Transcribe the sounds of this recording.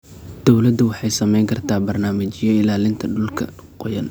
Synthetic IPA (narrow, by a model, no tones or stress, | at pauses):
d̪̥ɔwlɐd̪ʊwɑħɑjsɐmɛjŋkʰɐrt̪ʰaːbɐrnaːmɐt͡ʃɪjɔɪlaːlɪnt̪ʰɐɖʊlkʰɐ̰qɔjɐn